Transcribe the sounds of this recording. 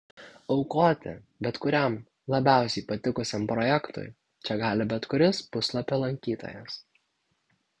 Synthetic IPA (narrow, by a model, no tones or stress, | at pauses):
ɔʊkoːt̪ʲɪ̰ | bʲɛt̪kʊɾʲɛm | lˠɐbʲæˑʊsʲɛɪpɐt̪ʲɪkʊsʲɛmpɾɔjɛkt̪ʊ̰j | t͡ʃʲɛɡɑːlʲɪbʲɛt̪kʊɾʲɪspʊslˠɐpʲelˠɐŋʲkʲiːt̪o̰ːjɛs